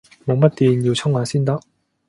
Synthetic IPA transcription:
mɔ˨ma˦˥t͈e˨i˨njo˨t͡ɕʰʌ˥ŋa˨sʰi˥˦nda˦

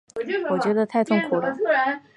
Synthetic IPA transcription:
wɔ˨˩t͡ɕɥɛ˧˥d̪ə˧t̪ʰa˥˧ɪt̪ʰʊ˥˩ŋkʰu˨˩lə˧˥

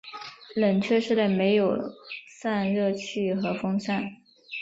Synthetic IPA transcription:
lə˨˩nt͡ɕʰɥɛ˥˧ʂɻ̩˥˧le˥˩ɪme˧˥ɪjo˨˩ʊsa˥˧nɻɤ˥˧t͡ɕʰy˥˩xɤ˧˥fɤ˥ŋsa˥˩n

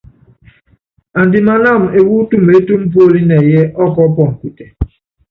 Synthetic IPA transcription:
a˨n̩˨dɪ˨ma˨na˦˨m̩˨e˨wu˦tu˦m̩e˦tu˦m̩˦po˦o˦li˦ne˨je˦ʔɔ˦kɔ˦pɔ˨ŋ̩˨kʷi˨te˨

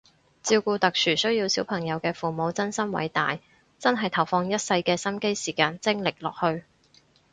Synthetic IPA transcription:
t͡siː˧wkuː˧t̪ɐ˨k̚sʰyː˨˩sɵ˥ɥji˧wsiː˨˥wpʰɐ˨˩ŋjɐ˨˧wkɛː˧fuː˨˩mo˨˧wt͡sɐ˥nsɐ˥mwɐ̰˨˥jt̪aː˨j | t͡sɐ˥nɦɐ˨jt̪ʰɐ˨˩wfɔː˧ŋjɐ˥t̚sɐ˧jkɛː˧sɐ˥mke˥jsiː˨˩kaː˧nt͡sɪ˥ŋlɪ˨k̚lɔː˨k̚hɵ˧ɥ

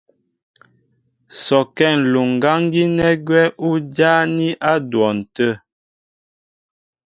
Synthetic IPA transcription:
sɔ˨kɛ˦˨n̩˨lu˨ŋ̩˨ɡa˦ŋ˦ɡi˦nɛ˦ɡwɛ˦ʔu˦d͡ʒa˦ni˦ʔa˦dwɔ˨n̩˨tə˦˨

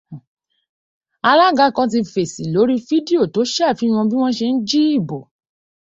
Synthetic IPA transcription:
a˧la˦ɡa˦˨kã˧t̬i˧fe˨si˨lo˨˦ɾi˦fi˦di˦o˦˨to˨˦ʃɛ˦˨fi˦˧w̃ɔ̃˧bi˦w̃ɔ̃˦ʃe˧n̩˦d͡ʒi˦i˦˨bo˨

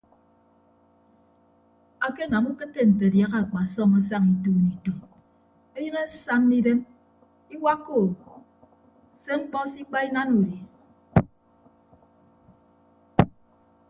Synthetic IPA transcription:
a˨ke˦˨na˨mu˦kɨ˦tːe˦m̩˨pe˨dja˦ɣa˨a˨k͡pa˨sɔ˦ma˦s̬a˦ŋi˨tuː˦˨ni˨tɔ˨ | e˦ɲɨ˦ne˦sa˦mni˦de˦m | i˦wa˦kːo˦˨ | se˦ŋ͡m̩˦k͡pɔ˦si˦k͡pa˦i˦na˦nu˨ɾi˨

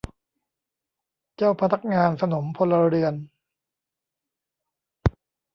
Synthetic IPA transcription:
t͡ɕaː˥˩wpʰa˦t̪ʰa˦˥k̚ŋaː˧nsa˧no˩˦mpʰo˧lːa˧ɾɯ˧ən

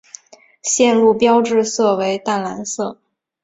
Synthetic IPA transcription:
ɕjɛ˥˧nlu˥˩pjɑ˥ʊʈ͡ʂɻ̩˥˧sɤ˥˩we˧˥ɪt̪a˥˩nla˧˥nsɤ˥˩

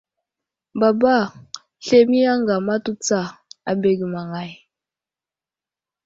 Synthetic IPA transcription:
ba˨ba˦˨ | ɬe˦mi˦ja˦ŋɡa˨ma˦tu˦t͡sa˦˨a˨be˨ɡi˨ma˨ŋa˨j

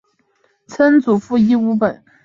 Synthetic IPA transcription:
t͡sʰə˥nt͡su˨˩fu˥˧i˥u˥pə˨˩˦n

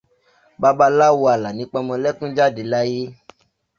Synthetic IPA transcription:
ba˦ba˧la˦wu˧a˨la˨nĩ˨˦k͡pɔ˧mɔ̃˧lɛ˦kũ˦d͡ʒa˦˨de˨˦la˦je˦

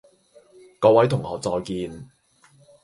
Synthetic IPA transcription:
kɔː˨˧wɐ˨˥jt̪ʰʊ˨˩ŋɔː˨˧t͡sɔː˧jkiː˧n

